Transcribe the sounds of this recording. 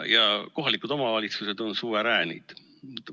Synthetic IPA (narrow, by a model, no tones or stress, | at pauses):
jɑko̞ɦɑlikud̪̥o̞mɑvɑlʲit̪suse̞d̪̥o̞nsuːɾeɾæːnḭd̪̥